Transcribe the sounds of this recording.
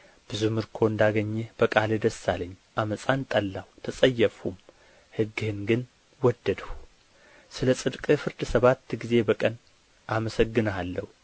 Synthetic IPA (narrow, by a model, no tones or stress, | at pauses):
b̥ɨzuhmɨɾkʰo̞ɨnd̪aɡəɲːɛb̥əkʼalɨd̪əsːaləɲːʔaməsʼant̪ʼəlːawt̪ʰəsʼəjːəfum | hɨɡːɨhɨnɡɨn | wɔd̪ːəd̪əhu | sɨləsʼɨd̪kʼɨfɨɾd̪səβat̪ːɡize̞bəkʼən | ʔaməsəɡːɨnalːəhu